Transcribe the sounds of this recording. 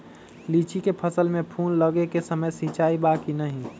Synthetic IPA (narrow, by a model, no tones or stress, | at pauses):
liːt͡ʃikepʰəsəlmẽpʰuːnləɡekesəməjsit͡ʃaːibakinəɦĩ